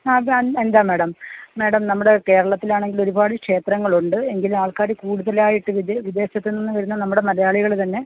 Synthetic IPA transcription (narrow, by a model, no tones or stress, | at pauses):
aːend̪aːmeːɽɐmmeːɽɐmnɐmːuɽe̞ke̞ːɾɐɭɐt̪ːilaːɳe̞ŋɡilo̞ɾubaːɽɨkʂe̞ːt̪rɐŋːɐɭuɳɖɨe̞ŋɡilumaːɭkaːɾikuːɽuðɐlaːjiʈːɨʋiʋid̪e̞ːɕɐt̪ːenonːɨʋɐɾunːɐnɐmːuɽe̞mɐɾɐjaːɭiɣɐɭt̪ɐnːe̞